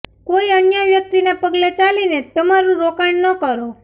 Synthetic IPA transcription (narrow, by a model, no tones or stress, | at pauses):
koiənjaʋjək̚t̪inepəɡlet͡ʃalinet̪əmaɾũɾokaɳnəkəɾo